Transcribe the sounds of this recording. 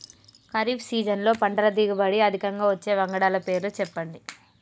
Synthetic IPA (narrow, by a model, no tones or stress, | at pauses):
kɐɾiːbsiːd͡ʒɐnlo̞ːpɐɳɖɐlɐd̪iːɡɐbɐɽiɐd̪ʱikɐŋɡaːʋɐt͡ʃːe̞ːʋɐŋɡɐɽaːlɐpe̞ːɾlut͡ʃɛpːɐɳɖi